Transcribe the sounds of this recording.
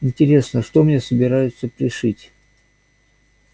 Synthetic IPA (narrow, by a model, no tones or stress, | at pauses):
ɪnʲtʲɪɾʲe̞snəʂt̪o̞mnʲesəbʲɪɾajʊt̪səpɾʲɪʂɨtʲ